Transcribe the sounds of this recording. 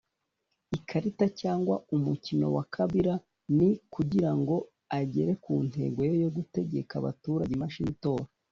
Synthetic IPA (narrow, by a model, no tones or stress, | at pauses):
ikʰaɾitacaːŋɡwaumucino̞̰wakʰaβiɾa | nikuɟiɾaŋɡo̞ | aɟe̞ɾe̞kuːn̥he̞̰ːɡwo̞jojo̞ɡute̞ɟe̞kaβa̰tuɾaɟimaʃinito̞ːɾa